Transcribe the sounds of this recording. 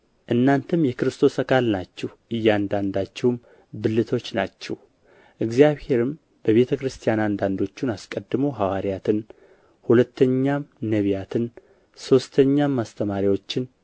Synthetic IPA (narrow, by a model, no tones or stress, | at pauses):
ʔɨnːant̪ʰɨmjɛkɨɾɨst̪ʰo̞səkʰʼalnat͡ʃːɛhʔɨjːand̪and̪at͡ʃːɛwm | bɨlːɨt̪ʰo̞t͡ʃːnat͡ʃːɛw | ʔɨɡzijaβhe̞ɾɨm | b̥əβe̞t̪ʰəkɾɨst̪ʰijanand̪and̪o̞t͡ʃːunaskʼəd̪ːɨmowɦawaɾijat̪ʰɨn | hulət̪ːəɲːamnəβijat̪ʰɨn | so̞st̪ʰəɲːamːast̪ʰəmaɾiwo̞t͡ʃːɪn